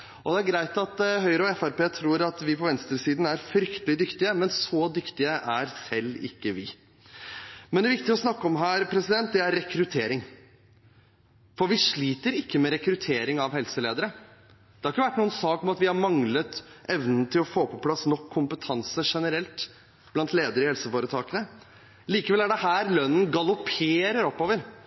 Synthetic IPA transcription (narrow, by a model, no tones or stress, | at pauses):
ɔd̪ɛæɾɡɾæɪt̪ɑt̪ɦœʏɾəɔɛfæɾpeːt̪ʰɾuːɾɑt̪ʋɪpʰɔʋɛnst̪ɾəsiːd̪n̩æɾfɾʏkt̪əlɪd̪ʏkt̪ɪəmɛnsɔd̪ʏkt̪ɪəʔæɾsɛlːɪ̰kːəʋɪ | mɛnd̪ɛʋɪkt̪ɪəɔsnɑkːəɔmɦæːɾpʰɾɛsɪd̪ɛnt̪̚d̪ɛæɾːɛkɾʉt̪ʰeːɾɪŋ | fɔɾʋɪʂɭiːt̪əɾɪkːəmɛɾɛkɾʉt̪ʰeːɾɪŋɑʋhɛlsəleːd̪əɾə | d̪ɛhɑɾɪkːəʋæʈːnuːənsɑːkɔmɑt̪ʋɪhɑɾmɑŋlət̪ʔɛʋnn̩t̪ʰɪlɔfoːpʰɔpʰlɑsnɔkʰːʊmpət̪ʰɑnsəʂɛnəɾɛlt̪ | b̥lɑnt̪leːd̪əɾɪhɛlsəfoːɾət̪ʰɑːkənə | liːkəʋɛlæɖɛhæːɾlœnːənɡɑlʊpʰeːɾəɾɔpːoːʋəɾ